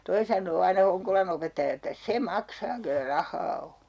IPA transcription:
toi sɑnˑoː ɑinɑ hoŋkolɑn opetːɑjɑ etːæ se mɑksɑː kelːæ rɑhˑɑː o

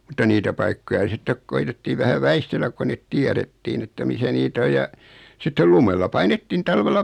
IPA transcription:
mutːɑ niːtæ pɑikːojɑ sitːek koitetːiː ʋæhæ ʋæistelːæk ko net tiæɾetːiːn etːæ misæ niːt oj jɑ sitːel lumelːɑ pɑinetːin tɑlʋelːɑ

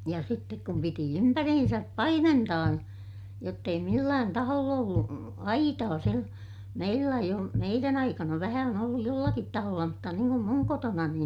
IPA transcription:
jɑ sitːek kum piti ympærihinsæp pɑimentɑː jotː ei milːæːn tɑholː olːu ɑitɑː sil meilːæ eij ol meiræn ɑikɑnɑ ʋæhæ on olːuj jolːɑkit tɑholːɑ mutːɑ niːŋ kum muŋ kotonɑni

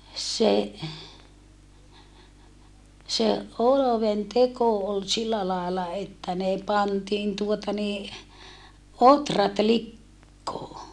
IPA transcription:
se se ʔoloʋenteko ol silːæ lɑˑelɑ etːæ ne pɑntiːn tuotɑ niː otrɑt likːoː

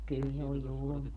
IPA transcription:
kyl se oj̆ julmɑː

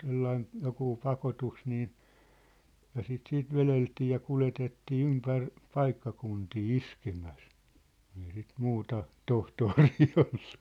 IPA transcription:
t̆selːɑin jokuː pɑkotus niː jɑ sit siːt ʋeleltiː jɑ kuletetːiː ympær pɑikːɑkuntiː iskemæs ku̥n̥ ei sit muːtɑ tohtoːriː olːu̥

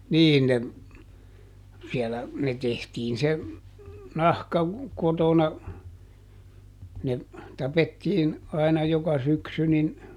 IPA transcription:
niːn ne siɛlæ ne tehtiːn se nɑhkɑ kotonɑ ne tɑpetːiːn ɑinɑ jokɑ syksy nin

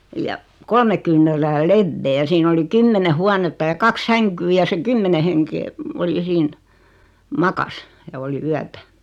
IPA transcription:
jɑ kolme kyːnˑæræː leʋːeː jɑ siːn oli kymːene huɑnetːɑ jɑ kɑks sæŋkyː jɑ se kymːene heŋkeː ol jɑ siːn mɑkɑs jɑ oli yætæ

